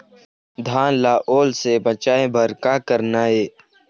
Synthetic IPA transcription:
d̪ʱaːnlaːʔoːlsebət͡ʃaːẽbʱɐɾkaːkəɾnaːeː

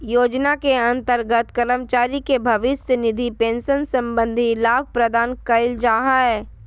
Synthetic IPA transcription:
joːd͡ʒnakeɐ̃nt̪əɾɡət̪kəɾəmt͡ʃaːɾikebʱɐʋɪssənɪd̪ʱipẽːnsənsɐ̃mbə̃nd̪ʱilaːb̚ʱpɾəd̪aːnkɐɪld͡ʒaːɦaɦɛː

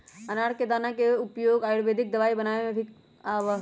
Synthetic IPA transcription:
ɐnaːɽked̪aːnakeʊpjoːɡaːjɽʋeːd̪ʱik̚d̪ɐʋaːibɐnaːʋemẽbʰʱi | aʋ

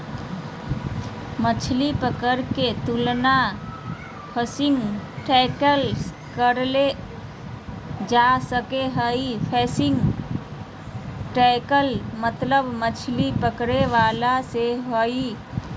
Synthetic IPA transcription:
mət͡ʃʰlipəkəɾket̪ulna | pʰəsiŋɡʈɛkəls | kəɾle | d͡ʒasəkeɦəipʰɛsɪŋɡ | ʈɛkəlmət̪ləbmət͡ʃʰlipəkɾeʋalaseɦoi

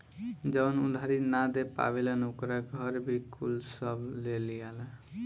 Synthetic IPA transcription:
d͡ʒəwnṵd̪ʱaɾinad̪epa̰belənukɾaɡʱʌɾbʱikʰṵlsəblelijalə

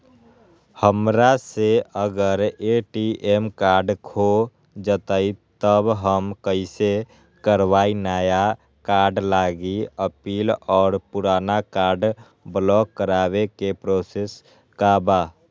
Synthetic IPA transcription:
həmɾaseəɡəɾeʈiʔemkaːɾɖkʰo | d͡ʒət̪əit̪əbɦəmkəɪse | kəɾwaːinaːja | kaːɾɖlaːɡiəpiːlɔːɾpʊɾaːnakaːɾɖ | blɔːkːəɾaːwekepɾoːses | kabaː

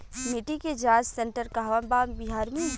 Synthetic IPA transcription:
mɪʈiked͡ʒaːd͡ʒsẽɳʈəɾkaɦʋambabiɦaːɾmẽ

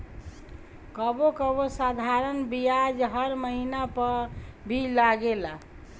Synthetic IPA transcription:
kəbokəbosad̪ʱaɾənbijad͡ʒɦʌɾməɦinapəbʱilaɡela

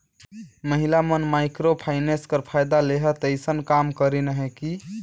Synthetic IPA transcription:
məɦilamənmajkɾopʰajneskəɾpʰajd̪aleɦət̪əjsənkamkəɾinəɦeki

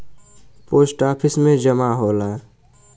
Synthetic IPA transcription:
poːsʈaːpʰɪsmẽd͡ʒəmaɦoːlaː

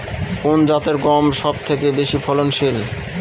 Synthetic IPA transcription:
kond͡ʑat̪eɾɡɔmʃɔb̚t̪ʰekebeʃipʰɔlonʃil

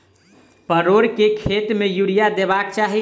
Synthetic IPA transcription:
pəɾoɾkekʰet̪mejuɽijad̪ebak̚t͡ʃaɦi

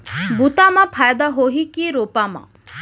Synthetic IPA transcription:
bʱut̪amãpʰaːjd̪aɦoːɦikiɾoːpamã̰

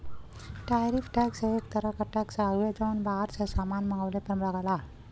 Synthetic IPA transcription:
ʈajɾifʈaksəekt̪əɾakəʈaksaɡʋed͡zɔnbaɦaɾsəsamanməŋɡaʋlepənlaɡala

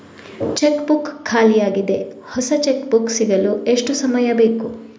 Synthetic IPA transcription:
t͡ʃekbukkʰːaːlijaːɡid̪e̞hɔsɐt͡ʃekbuksiɡɐlue̞ʂʈusɐmɐjɐbe̞ːku

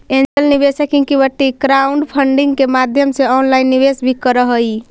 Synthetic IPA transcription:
end͡ʒəlnibesəkiŋkibəʈːikɾauɳɖpʰəɳɖiŋɡkemad̪ʱjəmseɔnlajnːiβesbʱikəɾəɦəj

